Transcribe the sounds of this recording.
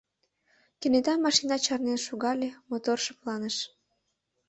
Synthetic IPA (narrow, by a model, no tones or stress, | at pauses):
kenet̪ɑmːɑʃinɑt͡ɕɑrnenʃuɣɑlʲemot̪orʃɤ̆plɑnəʃ